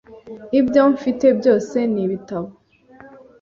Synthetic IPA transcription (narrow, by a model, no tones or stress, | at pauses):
ibjoɱfite̞bjo̞ːse̞niβitaβo